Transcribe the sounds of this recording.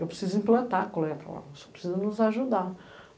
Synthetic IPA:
ewpɾsizʊĩmplɐ̃nt̪akolɛt̪ɐla̰so̥pɾe̥sizʊnʊzaʒud̪a

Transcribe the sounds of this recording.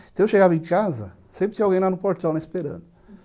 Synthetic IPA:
t̪ewʃeɡavɐẽkazɐ̰ | sẽmpɾɪt̪ĩvawɡẽj̃lanʊpoɾt̪ɛwnẽispeɾɐ̰̃d̪ʊ

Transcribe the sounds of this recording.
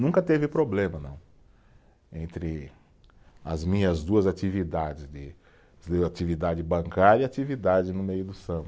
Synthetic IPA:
nũŋkɐt̪evɪpɾoblẽmɐnɐ̰̃w̃ | ẽnt̪ɾɪ | ɐ̰zmĩɲɐzd̪uɐzat͡ʃivid̪ad͡ʒɪzd̪ɪ | d̪ɪat͡ʃivid̪ad͡ʒɪbɐ̃ŋkaɾjɐiat͡ʃivid̪ad͡ʒɪnʊmejʊd̪ʊsɐ̃bʊ

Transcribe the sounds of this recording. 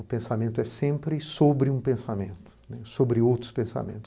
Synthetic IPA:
ʊpẽsamẽnt̪ʊɛsẽmpɾɪsobɾɪũpẽsamẽnt̪ʊ̥nɛsobɾɪowt̪ɾʊ̥spẽsa̰mḛ̃nt̪ʊ̥

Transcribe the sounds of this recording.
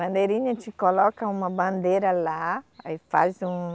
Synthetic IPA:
bɐ̃nd̪eɾĩɲɐt͡ʃikolɔkɐũmɐbɐ̃nd̪eɾɐlaa̰ifa̰zũ

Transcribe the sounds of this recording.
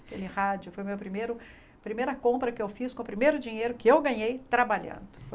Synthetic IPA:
kḛlɪhad͡ʒʊfojʊmewpɾimejɾʊ | pɾimejɾɐkõmpɾɐkɪewfiskõʊpɾimejɾʊd͡ʒiɲejɾʊkɪewɡɐ̃ɲejt̪ɾabaʎɐ̰̃nd̪ʊ̥

